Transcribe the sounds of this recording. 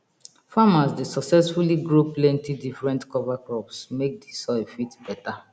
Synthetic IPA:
famasdesɔksɛsfuliɡɹoplɛ̃ntidifɹɛ̃ntkɔvakɹɔpsmek̚disɔefitbɛta

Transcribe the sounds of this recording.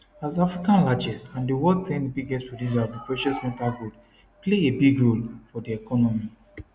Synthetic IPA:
azafɹikãnlad͡ʒɛsãndiwɔd̚tẽndibiɡɛstpɹɔdĩd͡ʒadipɹɛʃɔsmɛtalɡud | pleebiɡɹolfɔdiɛkʰɔnɔmi

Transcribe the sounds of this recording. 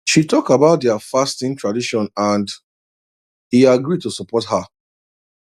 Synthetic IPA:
ʃitɔkabaʊt̚dɛafastĩntʰɹadiʃɔ̃nãnd | hiaɡɹid̚tusəpɔthə

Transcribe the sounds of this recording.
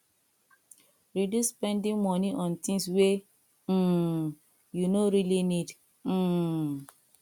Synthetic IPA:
ɹiduspɛ̃ndĩŋmɔniʔɔ̃ntĩŋswe | junoɾilinid̩

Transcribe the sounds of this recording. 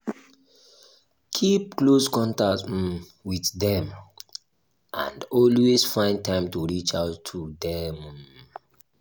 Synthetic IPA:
kʰip̚kloskɔ̃ntakt̩ | wiθdɛ̃m | ʔã̰ndɔlwesfãɪ̃n̚tãɪ̃mtuɹit͡ʃaʊtʰːudɛm

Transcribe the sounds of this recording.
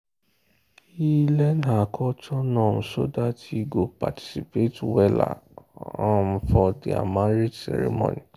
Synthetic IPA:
ilɛnakʰɔtʰɔnãũso̰datiɡopa̰ti̥sipetwɛla̰ãfɔdia̰maɾid͡ʒsɛ̰ɾḭmõ̰nĩ

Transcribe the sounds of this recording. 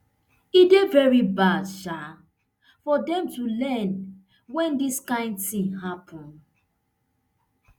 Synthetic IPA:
idevɛɹibadʃa | fɔdɛ̃mtulɛn | wɛ̃ndiskãɪ̃nd̚tĩŋɦapʰɔ̃n

